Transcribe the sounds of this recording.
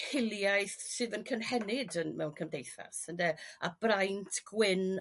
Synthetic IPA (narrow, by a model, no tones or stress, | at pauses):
hɪlˠjajθsɨːðənkʰənhɛnɪdənmɛwnkʰəmdejθa̰səndɛab̥rajntʰɡ̥wɪn